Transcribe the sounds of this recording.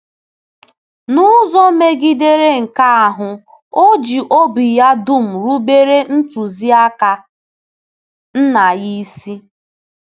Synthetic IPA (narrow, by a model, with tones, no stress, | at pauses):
nʊ˦zɔ˦me˦ɡi˦de˦ɾe˦ŋ̩˨ka˦a˨ɦʊ˨ | o˦d͡ʒi˨ʔo˦bi˨ja˦du˦m̩˨ɾu˦be˦ɾe˦n̩˦tu˨zi˦a˦ka˨ | n̩˦na˨ji˦si˦